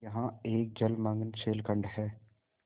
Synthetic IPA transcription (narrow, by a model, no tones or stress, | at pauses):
jɐɦãeːk̚d͡ʒɐlmə̃ŋɡənt͡ʃʰeːlkə̃ɳɖɦɛː